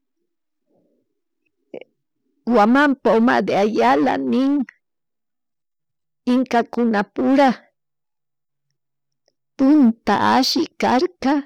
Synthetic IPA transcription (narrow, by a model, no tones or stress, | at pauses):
wamampaoma̰d̪eajala̰nɪŋ | ɪŋkakʊnapʊɾa | pʊnt̪a̰ʔaʃɪkaɾka